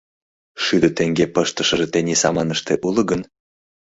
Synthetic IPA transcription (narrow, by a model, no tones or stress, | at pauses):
ʃyd̪ə̆t̪eŋɡepɤʃt̪əʃə̆ʒet̪enʲisɑmɑnəʃt̪eʔulə̆ɡən